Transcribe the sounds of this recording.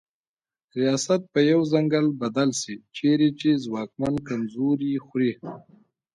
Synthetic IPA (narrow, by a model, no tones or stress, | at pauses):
ɾijɑsat̪̚pəjawzaŋɡalbad̪alsit͡ʃeɾet͡ʃezwɑk̚mankamzuɾixɾi